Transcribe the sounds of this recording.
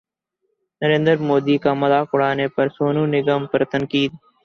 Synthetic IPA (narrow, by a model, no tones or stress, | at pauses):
nəɾẽːnd̪əɾmoːd̪iːkaːməd̪aːkʊɽaːneːpɐɾsoːnũːnɪɡəːmpɐɾt̪əŋkiːd̪̚